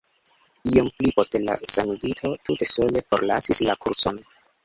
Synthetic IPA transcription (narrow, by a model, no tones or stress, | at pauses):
iomplipo̞stela̰sanuditʰo̞tute̞so̞le̞fo̞ɾlasislakuɾso̞n